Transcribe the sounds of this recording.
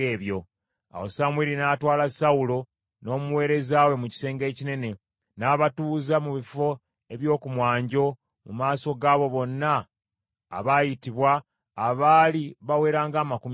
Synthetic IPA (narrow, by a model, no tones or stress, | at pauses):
eːβjo̞ | a̰wosamwiɾinaːtwaːlasaulo̞ | no̞ːmuwe̞ːɾe̞zaːwe̞muci̥se̞ːŋɡe̞ːcine̞ne̞ | naːβatuːzamuβifo̞ | e̞βjo̞ːkumwaːɲɟo̞ | mumaːso̞ɡaːβo̞βo̞nːa̰ː | βajitiβwaː | βaːliβawe̞ːɾaːŋɡaːmakum